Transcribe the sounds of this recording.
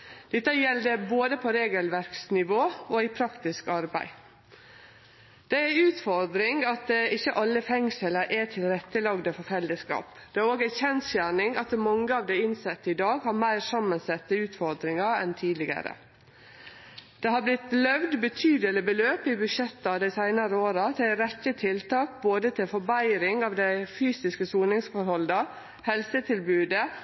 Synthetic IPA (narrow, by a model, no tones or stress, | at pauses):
d̪̥ɛt̪ːəjɛld̪əboːd̪əpʰɔɾeːɡəlʋæɾksnɪʋoːoipʰɾɑkt̪ɪskɑɾbæ̰ɪ | d̪̥ɛæʉːt̪fɔɾd̪ɾɪŋɡɑt̪̚ɪçːəʔɑlːəfɛŋsələɾʔæt̪ʰɪlɾɛt̪ːəlɑɡd̪əfɔɾfɛld̪əskɑ̰ːp | d̪ɛæɾoːɡæçɛnsjæːɳɪŋɑt̪mɑŋːəɑːʋd̪ɛɪnsɛt̪ːəɪd̪ɑːɡhɑːɾmæɪɾsɑmːənsɛt̪ːəʉːt̪fɔɾd̪ɾɪŋɑɛ̰nt̪ʰiːd̪lɪɡə̰ɾə̰ | d̪̥ɛhɑblɪt̪lœʋd̪bət̪ʰyːd̪əlɪbəløːpɪbʉʂɛt̪ːɑd̪æɪsæɪnɑɾəoːɾɑt̪ʰɪɾɛtːət̪ʰɪlt̪ʰɑːk̚boːd̪ət̪ʰɪlfɔɾbæɪɾɪŋɑːʋd̪æɪfyːsɪskəsuːnɪŋsfɔɾhɔld̪ə | hɛlsət̪ʰɪlbʉːd̪ə